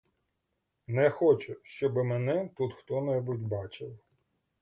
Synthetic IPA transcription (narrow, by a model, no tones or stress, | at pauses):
nɛxɔt͡ʃʊʃt͡ʃɔbɪmɛnɛt̪ut̪xt̪ɔnɛbutʲbɑt͡ʃɪwˠ